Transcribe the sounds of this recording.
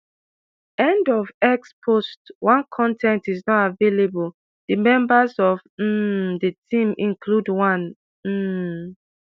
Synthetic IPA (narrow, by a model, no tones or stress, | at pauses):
ɛ̃ndɔvɛkspʰostwãnkʰɔ̃ntʰɛ̃ntiznɔtavelebul | d̥əmɛ̃mbazɔvm̩dətʰĩmĩnkʰludwãn | m̩